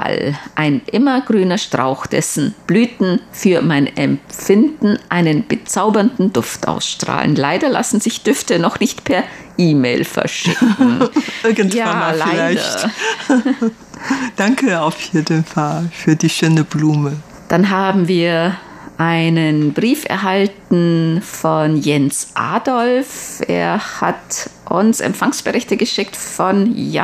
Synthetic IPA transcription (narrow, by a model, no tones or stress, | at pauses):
a̰lʔaɪnʔɪmɐɡʁyːnɐʃtʁ̥a̰ʊxd̥ɛ̰sn̩b̥lyːtn̩fyːɐmaɪnʔɛmp͡fɪndn̩ʔaɪnənb̥ət͡saʊbɐndn̩dʊftʔa̰ʊsʃtʁ̥a̰ːlə̰nlaɪdɐla̰sn̩zɪçd̥ʏftənɔχnɪçtpʰɛɐʔiːmeɪlfɛ̰ɐʃɪkŋ̩ɪɐɡən̩jaanmaːllaiɪlaɪdçɐ̰t | d̥aŋkʰəaʊfjeːdənfalfyːɐdiːʃøːnəbluːmə | d̥anɦaːbm̩viːɐ | ʔaɪnənbʁiːfɛ̰ɐɦaltn̩fɔnjɛnsʔa̰ːdɔlfʔḛːɐha̰tʔʊ̰nsɛ̰mfaŋsb̥əʁɪçtəɡəʃɪktfɔnja